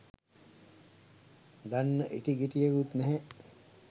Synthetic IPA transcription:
d̪anːəʔiʈiɡiʈijekut̪nɛɦɛ

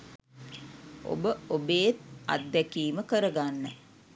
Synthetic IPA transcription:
o̰bəobeːt̪a̰t̪̚d̪ækiːməkəɾəɡanːə

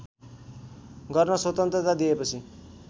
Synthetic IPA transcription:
ɡʌrnʌswʌt̪ʌnt̪rʌt̪rad̪iepʌt͡sʰi

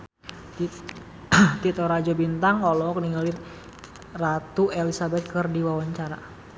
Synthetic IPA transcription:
t̪it̪ɔɾad͡ʒɔbint̪aŋɔlɔk̚niŋali | rat̪uʔelisabɛt̪̚kɨrdiwawaɲt͡ʃaɾa̰

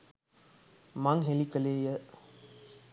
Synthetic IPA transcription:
maŋɦelikəleːjə

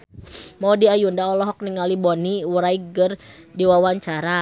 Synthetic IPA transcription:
maudiajundaɔlɔɦɔk̚niŋalibɔniwuɾaiɡər | diwawaɲt͡ʃaɾa

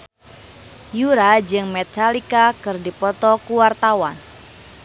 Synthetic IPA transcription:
juɾad͡ʒɨŋmɛt̪alikakɨrdipɔt̪ɔkuwart̪awan

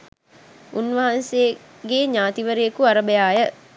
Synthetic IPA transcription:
unʋəɦanse | ɡeːɲaːt̪iʋəɾejəkuaɾəbəjaːjə

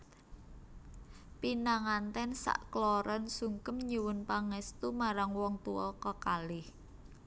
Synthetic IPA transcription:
pinaŋant̪ɛnsa̰ʔklɔɾʔɔnsuŋkəmɲiwʊnpaŋɛst̪umaɾaŋwɔŋt̪uɔkɔkalɪh

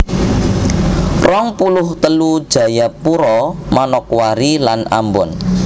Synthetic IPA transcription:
rɔŋpulʊht̪əlud̥ʒ̥ä̤japuɾɔmanɔkwaɾilana̰mbʊ̰n

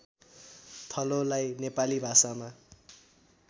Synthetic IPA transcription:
t̪ʰʌlolajnepalibʱasama

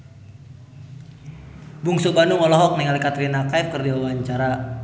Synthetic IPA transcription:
buŋsobanuŋɔlɔɦɔk̚nɛŋalikat̪ɾinakaɛfkərdiwawaɲt͡ʃaɾa

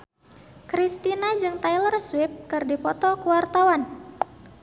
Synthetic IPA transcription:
kɾist̪inad͡ʒɨŋt̪ajlərswɪp̚kɨrdipɔt̪ɔkuwart̪awan

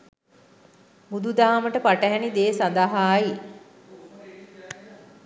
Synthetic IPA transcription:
bud̪ud̪aːməʈəpaʈəɦɛnid̪eːsand̪aɦaːi

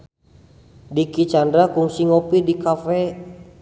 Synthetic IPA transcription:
dikit͡ʃandɾakuŋsiŋɔpidikafɛ

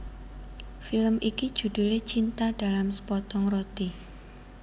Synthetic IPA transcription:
filəmʔikid̥ʒ̥ṳd̥ṳlet͡ʃint̪aɖ̥a̤lamsə̥pɔt̪ɔŋrot̪i

